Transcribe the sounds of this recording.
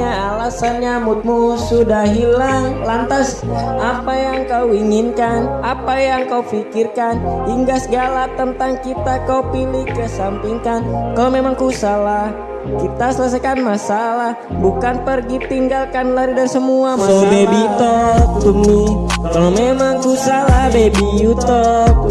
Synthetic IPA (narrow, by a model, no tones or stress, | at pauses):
aalasanɲamut̪̚musudahɦilaŋlant̪asapajaŋkawiŋinkanapajaŋkaufikirkaniŋɡasəɡalat̪ənt̪aŋkit̪akauwpilɪkːəsampiŋkankalomemaŋkusalah | kit̪asəlas̬ajkanmasalah | bukanpərɡit̪iŋɡalkanlaɾidaɾisəmuamaobebit̪op̚d̪umnikakalomemaŋkusalahbebijut̪up̚